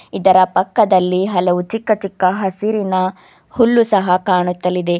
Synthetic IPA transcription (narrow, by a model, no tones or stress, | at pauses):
id̪ɐɾɐpɐkːɐd̪ɐlːiɦɐlɐʋut͡ʃikːɐt͡ʃikːɐɦɐsiɾinɐ | hulːusɐɦɐkaːɳut̪ːɐlid̪e̞